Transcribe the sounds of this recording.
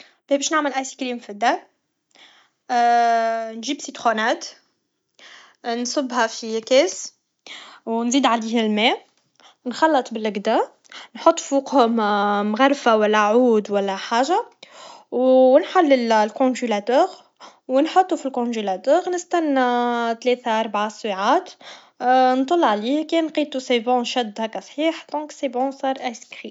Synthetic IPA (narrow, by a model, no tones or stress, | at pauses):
b̥ɛbɛːʃnaʕməlʔajsi̥kliːmfid̪æ | nʒiːbsit̪xonæːt̪ | nsˤʊbːhafikɛːs | wnziːd̪ʕaliːhɪlmɛ | nxɑlːɨt̪ˤbɪlɪɡd̪a | nħot̪ˤːfuːqhʊmmɣaɾˤfawælːæʕuːd̪wælːæħaːʒa | wnħalːɪllkɔ̃ʒylæt̪œːʁ | wnħɑt̪ˤːufilkɔ̃ʒylæt̪œːʁnəst̪ænːt̪lɛːt̪aʔɑɾˤbʕaswiʕaːt̪ | nt̪ˤːɑlːʕaliːhkenqiːt̪usebɔ̃nʃæd̪ːhækːæsˤħiːħd̪ɔ̃ksebɔ̃sˤɑːɾˤʔæskʁi